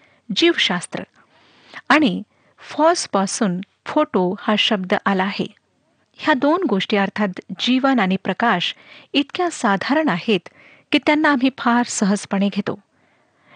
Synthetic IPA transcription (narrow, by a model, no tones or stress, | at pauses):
d͡ʑiːʋɕast̪ɾə̰ | aɽ̃i | fɔɾspasuːn | foʈohaɕəb̚d̪əʔalaːɦḛ | hjad̪onɡoʂʈiːəɾt̪ʰat̪d͡ʑiʋənaɽ̃ipɾəkaɕit̪kjãsad̪ʱaɾəɳahet̪ | kiːt̪janːaːm̤iːfʰaɾsəɦəd͡zpəɽ̃eɡʱet̪o̰